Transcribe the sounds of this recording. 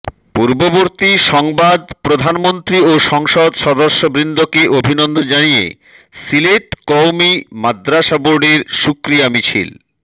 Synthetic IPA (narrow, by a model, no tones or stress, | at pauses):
puɾboboɾt̪iʃɔŋbad̪pɾod̪ʱanmont̪ɾioʃɔŋʃod̪ʃɔd̪oɾʃːobɾind̪okeʔobʱinond̪od͡ʑanijḛ | sileʈkɔwmimad̪ɾaʃaboɾɖeɾʃukɾijamit͡ɕʰḭl